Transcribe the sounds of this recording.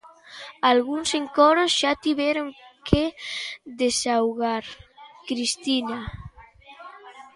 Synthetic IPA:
alɣunseŋkoɾosʒ̥at̪iβeɾoŋkʰeðesawɣaɾkɾist̪ina

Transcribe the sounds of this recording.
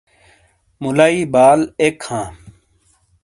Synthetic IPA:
mulaːiːbaːlekhãː

